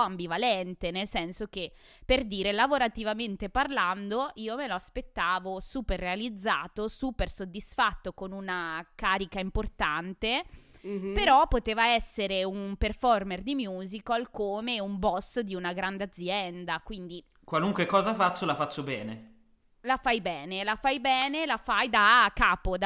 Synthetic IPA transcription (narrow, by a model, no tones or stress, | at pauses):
ambivalɛnt̪enelsɛnsok̟e | perd̪iːɾelavoɾat̪ivament̪eparland̪oʔiːomeloaspet̪ːaːvosuːperːealid̪zːa̰ːt̪osuːpersod̪ːisfat̪ːokonunakaːɾikaimport̪ant̪e | peɾɔpːot̪eːvaɛsːeɾeumperfɔrmerd̪imjuːzikalkoːmeumbɔsd̪iunaɡɾand̪ead̪zːjɛnd̪akwind̪i | kwaluŋkwekɔːzafat͡ʃːolafat͡ʃːobɛːne | lafajbɛːnelafajbɛːnelafajd̪akːaːpod̪